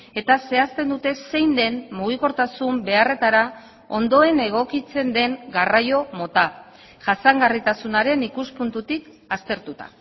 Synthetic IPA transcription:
e̞t̪ase̞ast̪e̞nd̪ut̪e̞se̞jnd̪e̞nmuɣ̞iko̞ɾt̪asumbe̞are̞t̪aɾa | o̞̰nd̪o̞e̞ne̞ɣ̞o̞kit͡se̞nd̪e̞ŋɡarajo̞mo̞t̪a | ʝasaŋɡarit̪asunaɾe̞nikuspunt̪ut̪ik | ast̪e̞ɾt̪ut̪a̰

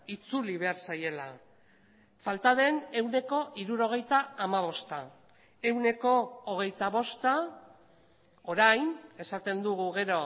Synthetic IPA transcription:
it͡suliβe̞aɾsaje̞la | falt̪að̞e̞ne̞wne̞ko̞ʔiɾuɾo̞ɣ̞e̞jt̪aːmaβ̞o̞st̪a | e̞wne̞ko̞ːɣ̞e̞jt̪aβo̞st̪a | o̞ɾajne̞sat̪e̞nd̪uɣ̞uɣe̞ɾo̞

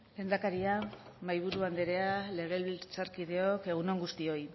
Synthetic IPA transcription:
le̞ːnd̪akaɾia | majβuɾuand̪eɾe̞ale̞ɣe̞lβilt͡saɾkið̞e̞o̞ke̞ɣ̞unoŋɡust̪io̞j

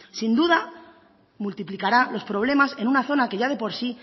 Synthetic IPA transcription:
sind̪uð̞a | mult̪iplikaɾalo̞spɾo̞β̞le̞mase̞nunaθo̞nake̞ʝað̞e̞po̞ɾsi

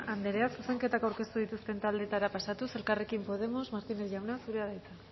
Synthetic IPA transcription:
and̪eɾe̞asuse̞ŋke̞t̪akawɾke̞st̪uð̞it̪ust̪e̞nt̪ald̪e̞t̪aɾapasat̪use̞lkare̞kimpo̞ð̞e̞mo̞smaɾt̪inesʝawnasuɾe̞aðajt͡sa

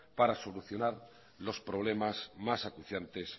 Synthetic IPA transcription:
paɾaso̞luθjonaɾ | lo̞spɾo̞β̞le̞mazmasakuθjant̪e̞s

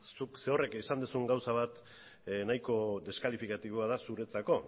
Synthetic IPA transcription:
sukse̞o̞re̞kisand̪usuŋɡawsaβ̞at̪ | najko̞d̪e̞skalifikat̪iβ̞oaðasuɾe̞t͡sako̞

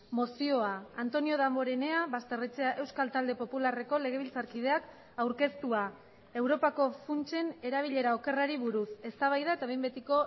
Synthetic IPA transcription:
mo̞sio̞aːnt̪o̞nio̞ðambo̞ɾene̞aβast̪e̞rit͡se̞aʔe̞wskalt̪ald̪e̞po̞pulare̞ko̞le̞ɣ̞e̞β̞ilt͡saɾkið̞e̞ak | awɾke̞st̪ua | e̞wɾo̞pako̞funt͡ʃe̞ne̞ɾaβ̞iʎe̞ɾao̞ke̞raɾiβuɾuse̞st̪aβajðaet̪aβembe̞t̪iko̞

